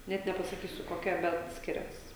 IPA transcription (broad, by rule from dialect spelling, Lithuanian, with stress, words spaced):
ˈnʲɛt nʲɛpɐsɐˈkʲiːsʲʊ koːˈkʲɛ ˈbʲɛt ˈsʲkʲɪrʲɛs